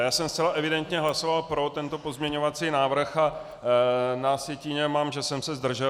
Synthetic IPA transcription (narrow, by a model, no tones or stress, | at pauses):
jaːsɛmstt͡sɛlaʔɛvɪdɛnt̪ɲɛɦlaso̞valpɾo̞t̪ɛnt̪o̞po̞zmɲɛɲo̞vat͡siːnaːvr̩xa | nasjɛciːɲɛmaːmʒɛsɛmsɛzd̪r̩ʒɛ